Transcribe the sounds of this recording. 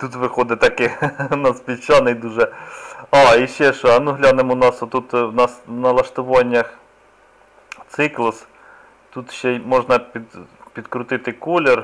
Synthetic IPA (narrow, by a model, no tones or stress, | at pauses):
t̪ut̪ʋɪxɔd̪ɪt̪ɐkɪnɐspʲit͡ʃɑnɪjd̪uʒɛɑiʃt͡ʃɛʃɔɐnuɦlʲɑnemnɑsɔt̪ut̪wnɑsnɐlˠɐʃt̪ʊʋɔnʲːɐx | t̪sɪklˠʊs | t̪ut̪ʃt͡ʃɛmɔʒnɐpʲid̪pʲid̪kɾʊt̪ɪt̪ɪkulʲer